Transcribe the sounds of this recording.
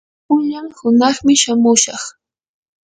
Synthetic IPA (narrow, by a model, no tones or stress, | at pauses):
ʊʎaŋhʊnɑχmɪʃamʊʃɑχ